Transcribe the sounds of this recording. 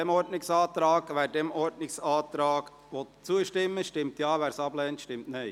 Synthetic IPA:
ɛmɔɾdnɪksɑːt̪ɾɑːɡ̥ʋæːɾdɛmɔɾdnɪksɑːt̪ɾɑːɡ | ʋɔt̪t͡suəʃtɪmːəʃtɪmt̪jɑːʋæːɾsɑblɛːnt̪ʃtɪmtnɛɪ

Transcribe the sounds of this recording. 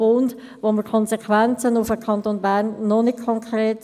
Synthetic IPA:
ʊnd | ʋoməkʰɔnsɛkʰʋɛnt͡sənufəkʰɑnt̪oːnbærnːɔnɪt̚kʰɔŋkʰɾeːt

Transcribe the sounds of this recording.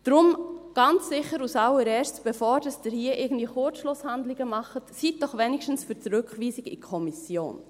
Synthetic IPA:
d̥ɾʊmɡ̥ɑnt͡ssɪχəɾusɑləɾɛːɾstb̥efɔːɾd̥əsd̥əɾhiəʔɪɡən̩d̥̪viəχʊɾt͡sʃlʊshandlɪɡ̥əmɑχətsiːt̚d̥ɔχʋɛnɪkʃtn̩sfyɾt͡sɾʏkχʋiːsɪɡḭkʰɔmisjo̰ːn

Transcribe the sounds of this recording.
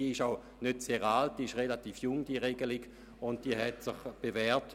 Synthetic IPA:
iəɪʃaʊ | nøtseːʁalt̚d̥iːɪʃʁelatiːfjʊŋd̥iːəʁeɡəliɡ | ʊntd̥iːəhɛtsɪχb̥evɛːɐt

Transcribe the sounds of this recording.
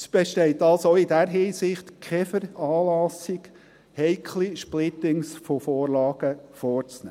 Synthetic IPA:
sb̥eʃtɛɪtɑlsoidæɾɦiːsɪχtkʰχɛfəɾɑːlɑsiɡ | hɛɪkʰliʃplɪt̪ɪŋsfofoːɾlɑːɡ̥əfoːɾt͡snɛæ̰

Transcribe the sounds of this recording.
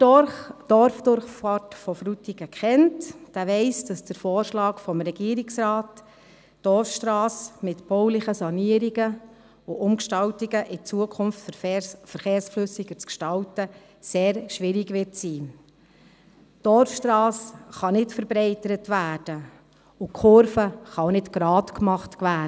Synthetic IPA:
d̥ɔɾfd̥ʊɾχfɑtfɔfɾutiɡəkχɛntd̥æːʋɛɪsd̥ɑsd̥əɾfoːɾʃlɑːkfɔmɾɛɡiːəɾɪksɾɑːt | d̥ɔɾfʃtɾɑːsmɪtb̥ɔwlɪχəsɑniəɾiɡə | ʊʔʊmkʃtɑltiɡəʔɪt͡suəkʰχʊmftffəɾχeːɾsflɵsiɡət͡skʃtɑltə | seːɾʃʋɪɾiɡʋɪtsiː | d̥ɔɾfʃtɾɑːsχɑnɪtfəɾbɾɛɪtəɾətʋæːd̥ə | ʊkʰʊɾfəχɑnɪtɡ̥ɾɑːtkmɑχtkʋæː

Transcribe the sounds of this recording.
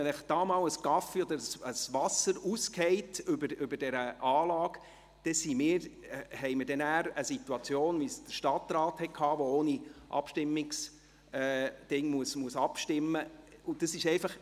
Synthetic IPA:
nləχd̥ɑːmɑːwəsɡɑfiɔd̪əɾəsəsʋɑsəɾuskʰhɛɪtʏbəɾʏbəɾd̥ɛɾəʔɑːlɑːɡ | d̥ɛsimɪːɾhɛɪməɾdɛnæːɾəsituɑt͡sjoːnʋisd̥əɾʃtɑt̪ɾɑːthɛtkʰɑːʋooːniʔɑ̰pʃtɪmːɪks | ɛd̥ɪŋmuəsmuəsɑpʃtɪmːəʊd̥ɑsɪʃɛɪfɑχ

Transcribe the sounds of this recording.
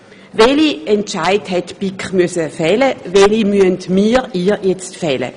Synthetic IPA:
vɛliɛnt͡ʃaɪthɛtpikχmysəfɛləvɛlimyəntmiːʁiːjɛt͡stfɛlə̰

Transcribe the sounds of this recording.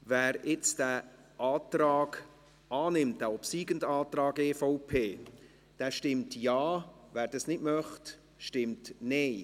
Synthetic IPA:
vɛːɾɪt͡sd̥æ | ʔɑːtrɑːɡ | ʔɑːnɪmt̚d̥æopsiːɡəndaːt̪rɑːɡeːfɔʊpʰeː | d̥ɛːʃtɪmtjɑːvæːɾd̥ɑsnɪtmœχt | ʃtɪmtnɛɪ

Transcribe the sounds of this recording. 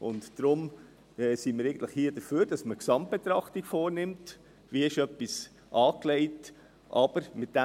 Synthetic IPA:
ʊntd̥ɾʊm | ɛsiməɾæɪən̩tləχhiːəd̥əføːɾd̥ɑsməksɑmt̚b̥et̪ɾɑχtɪɡfoːɾnɪmt | viɪʃœpːis | ʔɑːklɛɪt | ʔɑb̥əɾmɪt̚d̥æ

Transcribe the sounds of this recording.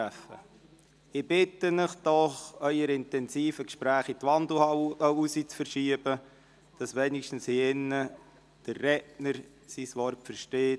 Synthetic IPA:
æfə̰ | ɪbɪtːənɪχd̥ɔχœʏəɾɪntɛnsiːfəkʃpɾæːχitʋɑnd̩hɑəusit͡sfəɾʃiəb̥ə | d̥ɑsʋɛnɪkʃtən̩shiɪnːə | d̥ərːɛtnəɾ | sisʋɔrtfəɾʃteː

